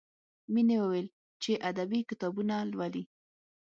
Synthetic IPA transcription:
minewəwel | t͡ʃeʔad̪abikɪt̪ɑbunalwali

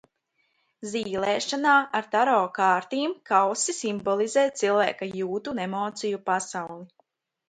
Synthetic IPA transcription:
ziːlɛːʃanaːʔaɾt̪aɾɔːkaːɾt̪iːmkawsisimbɔlˠizɛːt̪̚t̪silˠvæ̰ːkajuːt̪unemɔːt̪sijupasawlˠi

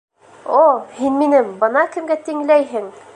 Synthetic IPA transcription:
ohinminɘmbɤ̆nɑkɘ̆mɡæt̪iŋlæjɦɘŋ

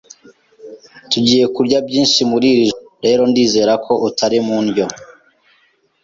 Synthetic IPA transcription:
tuɟiːje̞kuɾɟabɟiːnʃimuɾiɾizo | ɾe̞ːɾo̞ndiːze̞ːɾakʰoʔutʰaɾimunɟo̞

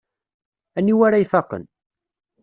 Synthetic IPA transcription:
æniwaɾajfɑqə̰n

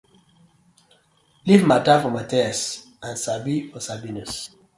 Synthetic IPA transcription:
livmatafɔmatɛɛs | ãnsabifɔsabinus

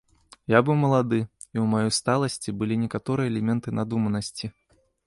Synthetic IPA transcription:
jabɨwmɐlˠad̪ɨ | iwmajɔjst̪alˠɐsʲt͡sʲibɨlʲinʲɛkat̪ɔɾɨjɛɛlʲɛmʲɛnt̪ɨnad̪umɐnɐsʲt͡sʲi

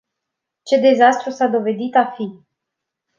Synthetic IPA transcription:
t͡ʃe̞d̪e̞zast̪ɾusad̪o̞ve̞d̪it̪afi

